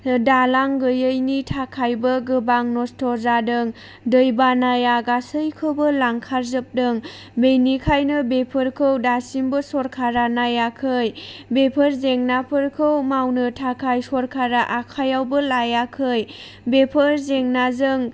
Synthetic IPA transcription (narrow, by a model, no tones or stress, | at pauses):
dalaŋɡɯjɯjnitʰakʰajbɯɡɯbaŋnɔstʰɔzadɯŋ | dɯjbanajaɡasɯjkʰɯwbɯlaŋkʰaɾzɯp̚dɯŋ | bejnikʰajnɯbepʰɯɾkʰɯwdasimbɯsɔɾkʰaɾanajakʰɯjbepʰɯɾzeŋnapʰɯɾkʰɯwmawnɯtʰakʰajsɔɾkʰaɾaʔakʰajawbɯlajakʰɯj | bepʰɯɾzeŋnazɯŋ